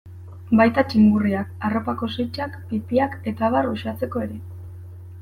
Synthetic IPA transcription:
bajt̪at͡ʃiŋɡuriakaro̞pako̞sojt͡ʃakpitiake̞t̪aβaruʃat͡se̞ko̞e̞ɾe̞

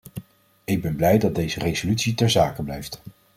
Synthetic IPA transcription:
ɪɡ̚bɛnblɛjdɑd̚dejzərejzolytsitɛɹzaːkəblɛjft

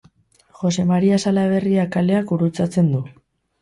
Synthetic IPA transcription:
xo̞se̞maɾiasalaβ̞e̞riakale̞akuɾut͡sat͡se̞nd̪u

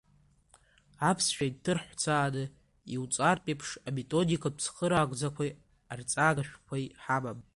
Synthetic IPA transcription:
apʰsʃᶣajtʰɨrħʷt͡sʰaːnɨ | iwt͡sʼarpʼepʰʂame̞tʼo̞dikʰapʰsχəɾaːɡʷʼd͡zakʷʰaj | art͡sʼaːɡaʃᶣkʷʰajħamam

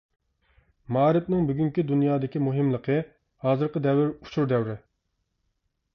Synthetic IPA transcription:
mɑːɾɪpnɪŋbyɡʲyŋkʲid̪unjɑːd̪ɪkʲimuɦɪmlˠəqʰə | hɑːzɨɾqəd̪ɛwɪɾut͡ʃʰuɾd̪ɛwɾɪ

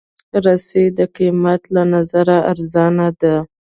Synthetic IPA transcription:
ɾased̪əqimat̪lanazaɾaʔaɾzɑnad̪a

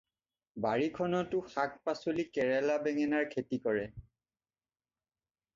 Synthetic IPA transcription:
baɹikʰɔnɔtʊxak̚pasolikɛɹɛlabɛŋɛnaɹkʰetikɔɹɛ

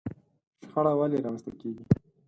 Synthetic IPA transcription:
ʃxaɽawaleɾɑwənst̪əlkeɡi

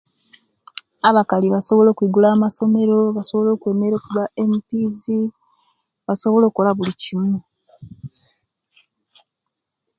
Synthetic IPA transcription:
aβakaliβaso̞βo̞lo̞ːkwiɡulaːmaso̞me̞ɾo̞βaso̞βo̞lo̞ːkwe̞ːme̞ɾo̞ːkuβaemipiːzi | βaso̞βo̞lo̞ːkolaβulicimu

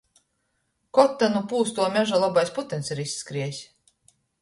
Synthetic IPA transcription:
kɔt̪ːanupuːst̪uɔmʲɛʒalˠabajsput̪ɛnsiɾisːkɾiɛsʲ

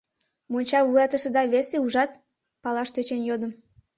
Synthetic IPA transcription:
monʲt͡ɕɑβujɑt̪əʃed̪ɑβeseuʒɑt̪ | pɑlɑʃt̪øt͡ɕenjod̪ə̆m

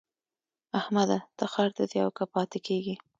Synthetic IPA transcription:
ahmad̪ad̪̥axɑɾt̪ad̪iawkapɑt̪ɪkʰeɡi

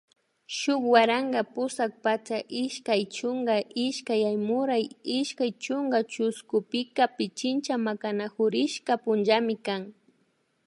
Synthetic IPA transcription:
ʃʊkwaɾaŋɡapʊsak̚pat͡ʃaʔɪʃkajt͡ʃʊŋɡaʔɪʃkajajmʊɾajɪʃkajt͡ʃʊŋɡat͡ʃʊskʊpɪkapɪt͡ʃɪnt͡ʃamakanaxʊɾɪʃkapʊnʒamɪkaŋ

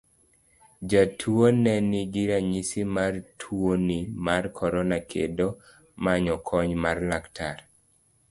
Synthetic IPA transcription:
d͡ʒatʰuonɛniɡiɾaɲisimartʰwonimarkʰɔɾɔnakʰḛdo | maɲɔkʰɔɲmarlaktʰar

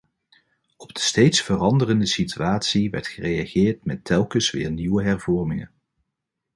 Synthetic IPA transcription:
ɔbdəstejtsfərɑndərəndəsityaːtsiʋɛ̰ɹtχərejaχɪːɹtmɛtʰɛlˠkəsʋɪ̰ːɹniʋəɦɛɹvɔrmɪŋə̰n

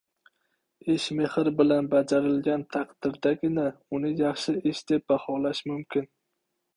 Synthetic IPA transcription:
ɪʃmehɪɾbɪlanbad͡ʒaɾɪlɡʲant̪ʰɑqd̪ɪɾd̪aɡʲɪnaʊnɪjɑχʃɪɪʃd̪̥e̞p̚bɑhɒlaʃmʊmkʲɪn

